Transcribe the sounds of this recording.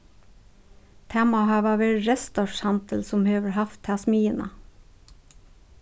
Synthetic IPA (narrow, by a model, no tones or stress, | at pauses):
t̪ʰæmɑhɑːʋɑːʋeɾɹɛst̪ɔʃhɑnt̪ʰəl̩sɔmhøːʋəɹhɑft̪ʰɑsmiːənɑ̰